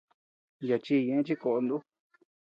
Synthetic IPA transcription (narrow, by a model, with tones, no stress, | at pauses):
ja˨t͡ʃi˧ɲẽ˧ẽ˦t͡ʃi˦ko˧˨ʔo˧nd̪u˦